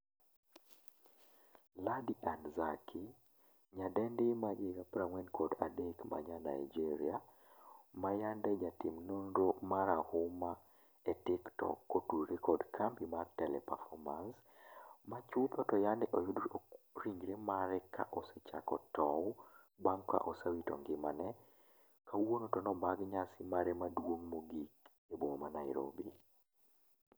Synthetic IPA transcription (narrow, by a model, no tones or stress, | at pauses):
ladiʔanzakʰi | ɲadɛndimad͡ʒeɡapɾaŋwɛnkʰɔda̰dekma̰ɲana̰jd͡ʒiɾia | majandɛd͡ʒatimnondomaɾahuma | ɛtɪktɔ̰kːotuɾikʰɔdkʰampimartɛlɛ̰pa̰fɔmans | mat͡ʃupɔtɔjandɛʔojudoɾiŋɡɾemaɾɛkʰa̰ʔɔsɛt͡ʃa̰kɔtɔ | baŋkːa̰ʔɔsawitɔ̰ŋɡɪmanɛ | kawonotɔnɔbaɡɲasimaɾɛmadwoŋmoɡik | eboŋmanajɾo̰bi